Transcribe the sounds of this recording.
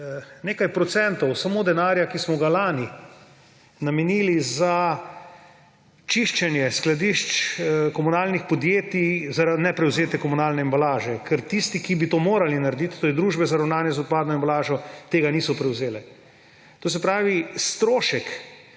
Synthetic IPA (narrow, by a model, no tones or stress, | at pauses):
neːkajpɾɔt̪sɛnt̪ɔwsamoːd̪ɛnaːɾjakismɔɡalaːni | namɛniːliza | t͡ʃiʃt͡ʃɛnjɛsklad̪iʃt͡ʃkɔmunaːlnixpɔd̪jeːt̪izaɾanɛpɾɛwzeːt̪ɛkɔmunaːlnɛimbalaːʒɛkʰɛɾt̪ist̪ikibit̪oːmoːɾalinaɾed̪it̪t̪oːɾɛd̪ɾuːʒbɛzaɾawnaːnjɛzʊt̪̚paːd̪nɔimbalaːʒɔt̪eːɡaniːsɔpɾɛwzeːlɛ | t̪oːs̬ɛpɾaːʋist̪ɾoːʃɛk